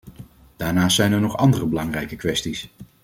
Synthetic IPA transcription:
d̥aːɹnaːstsɛjnɛɹnɔχɑ̰ndərəbəlɑŋrɛjkəkʋɛstis

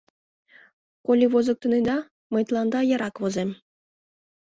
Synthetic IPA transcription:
kolʲiʋozɤ̆k̚t̪ɤ̆ned̪ɑ | mɤ̆jt̪lˠɑnd̪ɑjɑ̆ɾɑkvozemʲ

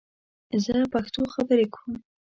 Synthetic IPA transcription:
zəpaxt̪oxabəɾekwum

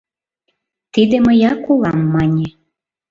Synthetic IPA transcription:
t̪id̪eməjɑkulˠɑmːɑnʲe

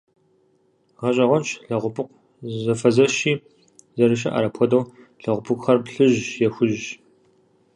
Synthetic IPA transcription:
ʁɐɕʼɐʁʷɔnt͡ʃʰɬɐʁʷʊpʰɨqʷ | zɐfɐzɐʃiː | zɐɾɨʃ̬ɐ̰ʔɐ̰ɾɐpʰɔdɐw | ɬɐʁʷʊpʰɨkʷχɐrpɬɨʒjɛxʷʊʒ

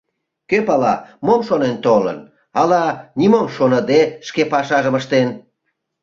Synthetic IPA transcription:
køpɑlɑmomʃonent̪olə̰n | ɑlɑnʲimomʃonəd̪eʃkepɑʃɑʒəməʃt̪en

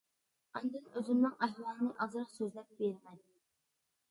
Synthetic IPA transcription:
ɑnd̪ɨnøzɪmnɪŋɑjlˠɑnɨʔɑzɨɾɑqsøzlɛp̚beɾɪmɛn

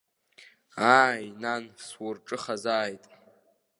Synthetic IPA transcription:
aːjnanswʊrʈ͡ʂʼɨχazaːjtʼ

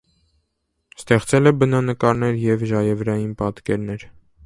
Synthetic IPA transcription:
st̪ɛχt͡sɛlɛbənɑnəkɑɾnɛɾjɛvʒɑjɛvɾɑjinpɑt̪kɛɾnɛɾ

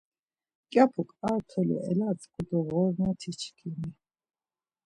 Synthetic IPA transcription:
kʼjapʰukʼalt̪ʰɔlḭʔɛ̰lat͡sʼkʼud̪ɔʁɔɾnɔt̪ʰit͡ʃʰkʰini

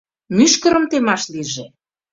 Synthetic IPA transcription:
myʃkə̆ɾə̆mt̪emɑʃliʒe

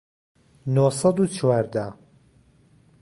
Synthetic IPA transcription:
nosɑd̪uːt͡ʃʰwaːɾd̪a

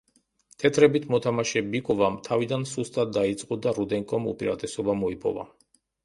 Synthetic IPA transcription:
t̪ʰɛt̪ʰɾɛbit̪ʰmɔt̪ʰamaʃɛbikʼɔvamt̪ʰavid̪ansust̪ʼat̪̚d̪ait̪sʼqʼɔd̪aɾud̪ɛŋkʼɔmṵpʼiɾa̰t̪ʼɛsɔbamɔipʼɔ̰va̰

